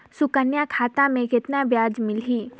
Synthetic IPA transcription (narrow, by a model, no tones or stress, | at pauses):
sʊkənjakʰaːt̪ãmẽkɪt̪nabjaːd͡ʒmɪlɦiː